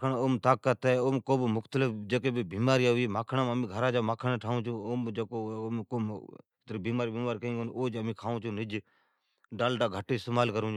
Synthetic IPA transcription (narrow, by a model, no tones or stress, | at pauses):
nːoːmt̪aːkːət̪eoːmkoːbmʊkt̪əlɪfd͡ʒəkeːbibiːmaːɾiːaɦiːmaːkʰɳaːməmĩːɡʱəɾaːd͡ʒaːmaːkʰəɳeʈʰaːũːt͡ʃʰũːoːmd͡ʒəkoːkoː | t̪ɾəbiːmaːɾiːbiːmaːɾiːkəĩːɡonoːd͡ʒəmĩːkʰaːũːt͡ʃʰũːnɪd͡ʒ | ɖaːlʈaːɡʱəʈːeɪst̪emaːlkəɾũːd͡ʒ